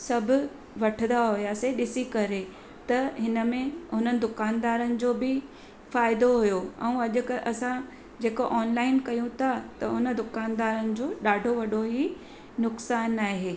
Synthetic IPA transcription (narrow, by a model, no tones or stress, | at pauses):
sɐbʱʊ̆ | ʋɐʈʰənd̪aɦʊjaseɗɪsikɐɾe | t̪ɐɦɪnəmẽɦʊn̤ənɪ̆d̪ʊkaːnd̪aːɾənɪ̆d͡ʑoːbɪ | faːɪd̪oɦʊjoɛ̃ũɐʄʊkʔɐsã | d͡ʑeːkoʔːnlaːɪnkɐjũt̪ʰat̪ɐʊnə̆d̪ʊkaːnd̪aːɾənɪ̆d͡ʑoːɗaːɖʱoʋɐɗoɦi | nʊksaːnːaːɦeː